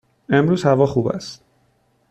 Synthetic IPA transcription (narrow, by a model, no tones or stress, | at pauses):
e̞mɾuːzhævɒːχuːbæ̰st̪